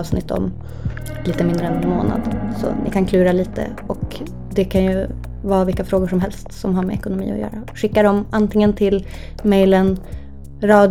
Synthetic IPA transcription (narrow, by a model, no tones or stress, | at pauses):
vsnɪ̰t̪ːɔ̰m | liːt̪əmɪnd̪ɾəɛnmo̰ːna̰d̪sɔ̰nʔɪ̰kʰankʰlʉ̟ːɾaliːt̪ə̰ | ɔk | d̪ɛkʰanjɵ | vɑːvɪlkːafɾoːɡʊʂɔmɦɛlst̪sɔmɦaɾmɛ̰ɛkʊnʊmḭːɔ̰jœ̰ːɾa | ɧɪkːad̪ɔmant̪ɪŋːənt̪ʰɪl | mɛjlən | ɾɑːd̪